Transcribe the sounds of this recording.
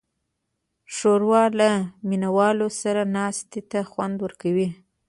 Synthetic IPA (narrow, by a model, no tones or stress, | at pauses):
ʂoɾwɑlaminawɑlosaɾanɑst̪it̪axwand̪wəɾkawi